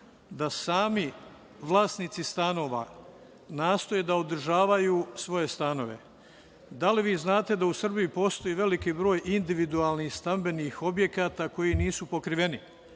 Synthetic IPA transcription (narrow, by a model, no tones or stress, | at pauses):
d̪asaːmi | ʋlˠaːsnit̪sist̪ano̞ːʋa̰ | naːst̪ojed̪aod̪r̩ʒaːʋajuːsʋo̞je̞st̪ano̞̰ʋe̞̰ | d̪aliʋiːznaːt̪e̞d̪ausr̩bijupo̞st̪o̞jiʋe̞likiːbɾo̞ːjind̪iʋid̪ualnihst̪ambe̞nixo̞bje̞kaːt̪ako̞jiniːsupo̞kɾiʋe̞ni